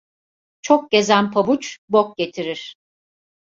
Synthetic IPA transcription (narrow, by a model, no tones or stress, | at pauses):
t͡ʃʰok̚ɟe̞zænpʰabut͡ʃbok̚ɟe̞t̪ʰiɾiɾ̥